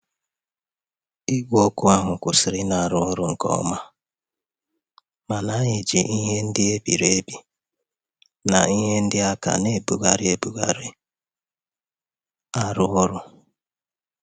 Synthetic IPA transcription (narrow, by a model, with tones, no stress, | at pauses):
i˦ɡʷo˦kʊ˦a˦ɦʊ˨kʷʊ˨sɪ˨ɾɪ˦na˨a˨ɾʊ˨˦ɔ˦ɾʊ˦ŋ̩˨kɔ̰˦ɔ̰˦ma˦ | ma˨na˨˦ɲe˨d͡ʒi˨ʔi˦ɦe˦n̩˦dɪ˦e˦bḭ˨ɾe˦e˦bi˨ | na̰˨i˦ɦe˦n̩˦dɪ˦a˦ka̰˨ne˦˨bu˨ɡa˨ɾɪ˦e˦bu˨ɡa̰˨ɾɪ˦ | a˦ɾʊ˦ɔ˦ɾʊ˦